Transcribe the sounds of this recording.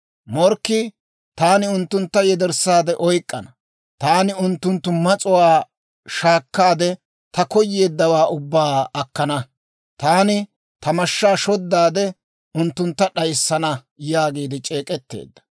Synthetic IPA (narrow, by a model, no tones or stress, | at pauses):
mɔɾkːɪ | t̪aːnɪʊnt̪ːʊnt̪ːɐjɛd̪ɛɾsːaːd̪ɛʔɔjkʼːɐnɐ | t̪aːnɪʊnt̪ːʊnt̪ːʊmɐt͡sʼʊwaː | ʃaːkːaːd̪ɛ | t̪ɐkɔjːeːd̪ːɐwaːʔʊbːaːɐkːɐnɐ | t̪aːnɪ | t̪ɐmɐʃːaːʃɔd̪ːaːd̪ɛ | ʊnt̪ːʊnt̪ːɐɗɐjsːɐnɐ | jaːɡiːd̪ɪt͡ʃʼeːkʼɛt̪ːḛːd̪ːɐ̥